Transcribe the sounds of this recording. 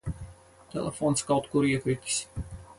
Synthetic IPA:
t̪ɛ̰lʲˠḛfɔːnskawt̪kuɾiəkɾʲik̪ʲi̥s

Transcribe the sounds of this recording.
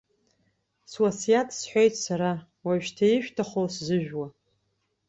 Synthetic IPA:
swasijatʰsħʷᶣojtʰʼsaɾa | waʒᶣtʰaiʃᶣtʰaχoszɨʒᶣwa

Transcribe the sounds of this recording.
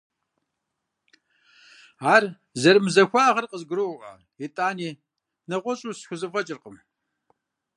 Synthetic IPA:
aːr | zɐrmɨzɐxʷaːʁɐrqəzɡɨɾoʔɐ̰ | itʼaːniː | nɐʁʷɔɕʼuːsxʷʊzɨfɐt͡ʃʼɪrqəm

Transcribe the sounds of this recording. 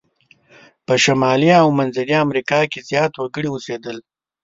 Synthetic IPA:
pəʃamɑliawmɐnzaɾiamɾikɑkezjɑt̪wɐɡəɽiwused̪əl

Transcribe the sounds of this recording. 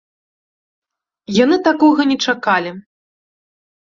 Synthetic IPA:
janɨt̪akɔɣɐnʲɛt͡ʂakalʲi

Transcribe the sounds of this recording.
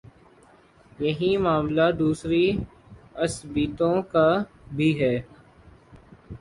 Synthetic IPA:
jɐɦĩmaːmlad̪uːsɾi | ɐsbiːt̪õkabʱiɦɛː

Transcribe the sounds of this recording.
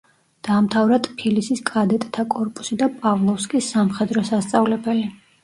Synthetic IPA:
d̪̥aːmt̪ʰavɾat̪ʰʼpʰilisiskʼad̪ɛt̪ʼt̪ʰakʼɔɾpʼu̥sid̪apʼavlˠɔfskʼisːamχɛd̪ɾɔsast̪sʼavlɛbɛli

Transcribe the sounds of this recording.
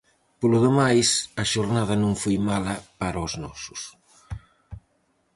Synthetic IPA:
poluðemajsɐʃoɾnað̞ɐnũŋfojmalapaɾoznɔsus

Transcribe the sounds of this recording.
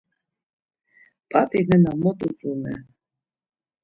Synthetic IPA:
pʼat̪ʼinɛnamɔt̪ʼut͡sʼunɛ̰

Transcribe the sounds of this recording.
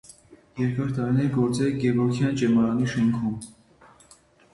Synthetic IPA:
jɛɾkɑɾt̪ɑɾinɛɾɡɔɾt͡sɛlɡɛvɔɾkʰjɑnt͡ʃɛmɑɾɑniʃɛŋkʰum

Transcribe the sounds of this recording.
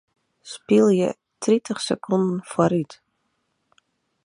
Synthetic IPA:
spilˠjə | tritʰəχsəkʰɔndn̩fɔɾyt

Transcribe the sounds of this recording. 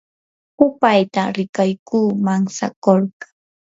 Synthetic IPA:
ʊpajt̪aɾɪkajkuːmaŋsa̰koɾɢḁŋ

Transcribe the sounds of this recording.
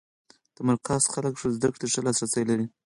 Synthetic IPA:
d̪̥əmaɾqɑsxaləkʂuzd̪akɽeʂalɑsɾasajlaɾi

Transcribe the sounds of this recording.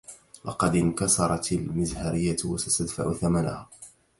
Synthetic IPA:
lɑ̰qɑd̪ɪnkɑsˤɑɾˤɑt̪almɪzhaɾɪjːat̪wasat̪ad̪faʕʊθamana̰haː

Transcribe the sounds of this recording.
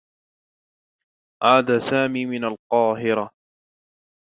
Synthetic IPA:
ʕaːd̪aːsaːmiːmɪnalqɑːɦɪɾa

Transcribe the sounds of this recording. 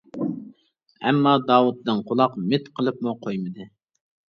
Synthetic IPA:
ɛ̰mːɑd̪ɑːwut̪̚d̪ɨnqʰʊlˠɑqmɪt̪qʰəlˠɨp̚muqʰojmɨd̪ɨ

